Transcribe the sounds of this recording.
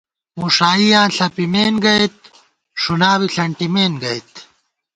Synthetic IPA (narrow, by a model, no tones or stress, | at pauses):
muʂaːijãːɬɐpimeːnɡɐet̪̚ | ʂunaːwiɬɐɳʈimeːnɡɐit̪